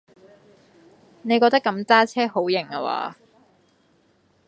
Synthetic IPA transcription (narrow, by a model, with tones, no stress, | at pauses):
ne˨˧jkɔː˧k̚t̪ɐ˥kːɐ˨˧˥mt͡saː˥t͡sʰɛː˥ho˨˥wjɪ˨˩ŋɐ˧wa̰ː˨˥